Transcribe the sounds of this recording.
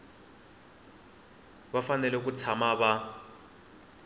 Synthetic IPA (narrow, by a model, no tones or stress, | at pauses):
βafanɛlɛk̬ut͡sʰamaβa